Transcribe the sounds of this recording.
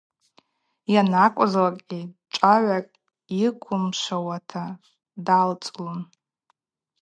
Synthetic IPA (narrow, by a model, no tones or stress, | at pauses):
janakʷʼʊzlakʼɡʲʼit͡ʃʷʼaʕʷakʼ | ikʷʰʊmʂʷawatʰa | dalt͡sʼlum